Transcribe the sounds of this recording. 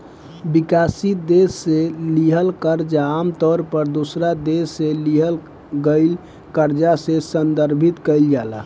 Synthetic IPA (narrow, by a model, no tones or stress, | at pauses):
bikasid̪esːeliɦəlkəɾd͡ʒaːmt̪ɔɾpəɾd̪osɾad̪esːeliɦəl | ɡəɪl | kəɾd͡ʒasesənd̪əɾbʱit̪kəɪld͡ʒala̰